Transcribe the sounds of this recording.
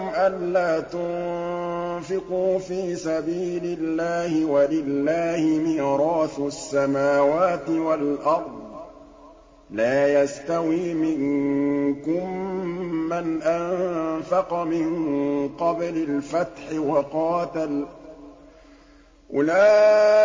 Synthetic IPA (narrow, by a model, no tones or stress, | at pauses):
mʔanlaːt̪ʊn | fɪquːfiːsabiːlɪlːaːhɪwalɪlːaːhɪmiːɾˤɑːθʊasːamaːwaːt̪ɪwalʔɑɾˤd̪ˤ | laːjast̪awiːmɪŋ | kʊmː | anʔanfɑqɑmɪŋqɑblalfat̪ħɪwɑqɑːt̪al | ʔʊlaː